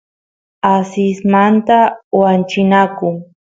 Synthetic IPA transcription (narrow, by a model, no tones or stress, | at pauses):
asɪsmant̪awant͡ʃɪnakʊŋ